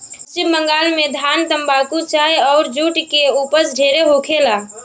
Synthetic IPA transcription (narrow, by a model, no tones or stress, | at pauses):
t͡ʃɪbmə̃ŋɡaːlmẽd̪ʱaːnt̪ə̃mbaːk̪ut͡ʃaːeɔːɾd͡ʒuːʈkeuːpəsɖʱeːɾeɦoːkʰelaː